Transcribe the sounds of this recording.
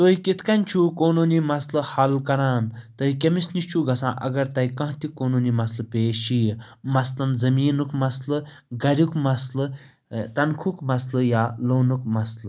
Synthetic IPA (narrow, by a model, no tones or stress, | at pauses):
t̪oːikit̪kɐnʲt͡ʃʰuːkoːnoːnimɐslɨhɐlkɐɾãːnt̪ɨikʲemisnist͡ʃʰuɡʱɐsã̰ːʔɐ̰ɡɐɾt̪ɐikɐ̃ɦt̪ikːoːnoːnimɐslɨpeːʃi | mɐslɐnzɐmiːnukmɐslɨ | ɡɐɾʲjukmɐslɨ | t̪ɐnkʰukmɐslɨjaːloːnukmɐslɨ